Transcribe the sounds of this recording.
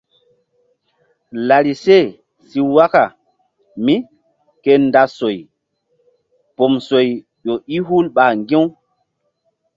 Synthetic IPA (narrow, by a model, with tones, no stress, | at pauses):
la˨ɾi˨se˦˨ | si˦wa˦ka˨ | mi˦ | ke˦nda˨so˨j | po˨mso˨j | ɗo˨i˦ɦu˦lɓa˨ŋɡẽ˦w